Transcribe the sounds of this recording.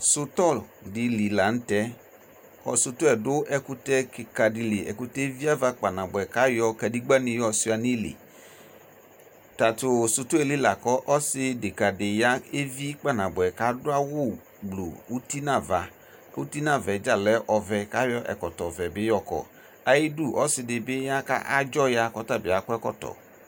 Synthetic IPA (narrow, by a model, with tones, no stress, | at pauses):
sʊ˨tɔ˦˨ldɪ˨li˨la˨n̩˦tɛ˦ | ɔ̰˨sʊ˧tʊ˦ɛ˨dʊ˦ʔɛ˨kʊ˦tɛ˦kka˨dɪ˨li˨ʔɛ̰˨kʊ˦tɛ˦vi˦a˦va˧k͡pa˨nã˨bʊ˨ɛ˨ka˨˦jɔ˦˧ka˨di˦ɡ͡ba˦nɪ̃˧jɔ˦sʊ˦a˨ni˦lḭ˨ | ta˨tʊ˨sʊ˧tʊ˦e˨li˦la˨kɔ˦ʔɔ˦sɪ˦dɪ˨ka˨dɪ˨ja˦e˦vi˦k͡pa˦˨nã˨bʊ˨ɛ˨ka˦dʊ˦a˦wʊ˦˨ | ɡ͡blo̰˨u˦ti˦nã˦˨va˨ | ṵ˦ti˦nã˦˨vɛ˨d͡ʒa˦lɛ˨˦ʔɔ˨vɛ˨ka˦jɔ˦ʔɛ̰˨kɔ˨tɔ˨vɛ˨bɪ˦jɔ˨kɔ̰˨ | a˨jɪ˦du˦˨ʔɔ˦sɪ˨dɪ˨bɪ˦ja˦ka̰˦a˦d͡ʒɔ˦ja˦kɔ˦ta˦bɪ˨a˨kʊ˦ɛ˦kɔ̰˦tɔ̰˨